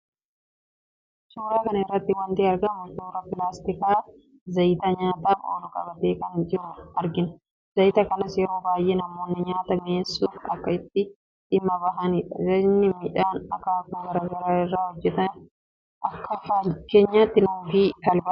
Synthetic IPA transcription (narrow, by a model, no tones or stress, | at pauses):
suːɾaːkɐnɐɪrːɐt̪ːɪwɐnt̪iːɐɾɡɐmʊt̪oːɾɐpɪlaːst̪ɪkaː | zɐjt̪ɐɲaːt̪aːfo̰ːlʊkʼɐ̰bɐt̪e̞ːkɐnd͡ʒɪɾʊɐɾɡɪnɐ̥ | zɐjt̪ɐkɐnɐsjɛɾo̞ːbaːjʔeːnɐmoːnːɪɲaːt̪ɐmeːsːuːfɐ̰kːɐɪt̪ːɪ | ᶑɪmːɐbɐɦɐniᶑɐzɐnːɪmɪʔaːnɐkaːkuːɡɐɾɐɡɐɾaːɪrːaːhɔd͡ʒːɛt̪ɐ | ʔɐkːɐfake̞ːɲːaːt̪ːɪnuːfiːt̪ɐlbɐ